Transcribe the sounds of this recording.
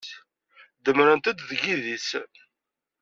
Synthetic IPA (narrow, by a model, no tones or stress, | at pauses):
d̪əmɾənt̪æd̪ðɡiðis